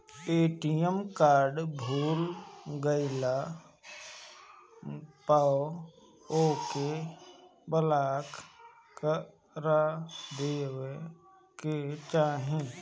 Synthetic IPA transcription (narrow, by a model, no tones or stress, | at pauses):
eːʈijəmkaːɾɖbʱuːlɡəɪla | pa | oːke | bəlaːk | kə | ɾad̪eːwe | ket͡ʃaːɦẽ